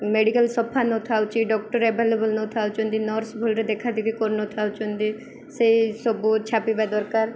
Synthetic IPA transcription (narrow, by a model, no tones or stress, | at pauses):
meɖikəlsɔpʰanɔt̪ʰawt͡ʃiɖɔk̚ʈɔɾebʱelebulnot̪ʰawt͡ʃund̪inɔɾsbʱulɾed̪ekʰad̪ikikoɾnɔt̪ʰawt͡ʃund̪i | seisobut͡ʃʰapibɛd̪ɔɾkaɾ